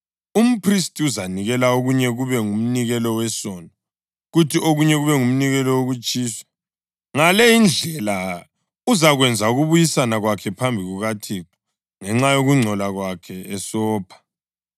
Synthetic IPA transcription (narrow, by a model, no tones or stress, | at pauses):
um̩pʰristʼiuzaniɣɛlaoɣuɲɛɣuβɛŋum̩niɣɛlɔwɛsɔna | ɣutʰiʔoɣuɲɛɣuβɛŋum̩niɣɛlɔwoɣut͡ʃʼiːsḁ | ŋalejind͡ɮʱɛla | uzaɣwɛnd͡zʱauɣuβujisanaɣwakʰɛpʰambʱiɣuɣatʰikʰɔ̥ | ŋɛŋ͡ǁajoɣuŋ͡ǀʱɔlaɣwakʰɛɛsɔːpʰḁ